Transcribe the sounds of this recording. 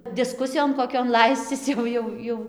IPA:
dʲɪˈskʊsʲɪjoːn koːˈkʲoːn ˈlˠɐɪsʲt͡sʲɪs jɛʊ ˈjɛʊ ˈjɛʊ

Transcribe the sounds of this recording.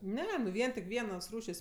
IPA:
ˈnʲɛ nʊ ˈʋʲiɛn tʲɪk ˈʋʲiɛnoːs ˈruːʃʲeːsʲ

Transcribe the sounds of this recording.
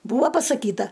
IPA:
ˈbuːʋɐ pɐsɐˈkʲiːtɐ

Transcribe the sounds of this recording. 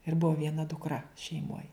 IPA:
ɪr ˈbuɔ ʋʲiɛˈnɐ dʊkˈrɐ ʃʲɛɪˈmoːj

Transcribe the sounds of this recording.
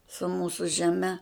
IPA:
sʊ ˈmuːsʊ ʒʲɛˈmʲɛ

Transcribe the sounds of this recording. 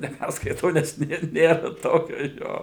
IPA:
nʲɛˈpʲærskɐɪtɐʊ nʲɛs ˈnʲeːr ˈnʲeːrɐ ˈtoːkʲoː ˈjoː

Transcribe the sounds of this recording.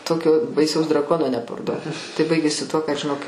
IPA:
ˈtoːkʲoː bɐɪˈsɐʊs drɐˈkoːnoː nʲɛpɐrˈduɔt tɐɪ ˈbɐɪɡʲeːsʲɪ tuɔ kɐt ʒʲɪˈnoːk ɐʃ t͡ʃʲɛ ɐʃ jiː ˈpɐrdɐʋʲɛʊ

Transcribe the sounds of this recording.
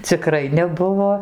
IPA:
t͡sʲɪˈkrɐɪ nʲɛˈbʊʋoː

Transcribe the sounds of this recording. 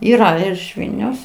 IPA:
iːˈrɐ ɪr ɪʃ ˈʋʲɪlʲnʲɛʊs

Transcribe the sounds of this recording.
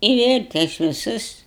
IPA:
ɪ ˈʋʲeːlʲ ˈtɐɪs ʋʲɪˈsʊs

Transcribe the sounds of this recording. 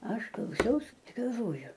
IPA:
ˈɐʃ klˠɐʊˈsʲɛʊs ɪ ɡɐlˠˈʋoːjʊ

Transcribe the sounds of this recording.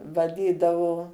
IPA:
ʋɐˈdʲiːdɐʋoː

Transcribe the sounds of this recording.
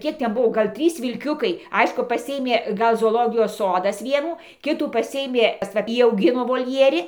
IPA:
ˈkʲiɛk ˈtʲɛn ˈbʊʋoː ˈɡɐlʲ ˈtʲrʲiːs ʋʲɪlʲˈkʲʊkɐɪ ˈɐɪʃkʊ pɐˈsʲɪeːmʲeː ˈɡɐlˠ zoːoːˈlˠoːɡʲɪjoːs ˈsoːdɐs ˈʋʲiɛnuː ˈkʲɪtuː pɐˈsʲɪeːmʲeː ʋɐ ˈjiː ɐʊˈɡʲɪnoː ʋoːlʲˈjiɛrʲɪ

